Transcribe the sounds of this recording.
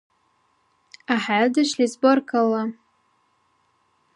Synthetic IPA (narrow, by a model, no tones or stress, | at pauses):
aħadaʃlizborkʰʼala